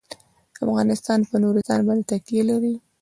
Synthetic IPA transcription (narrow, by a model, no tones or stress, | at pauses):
afɣɑnɪst̪ɑnpənoɾizɑnbɑnd̪et̪ak̚t̪ijelaɾi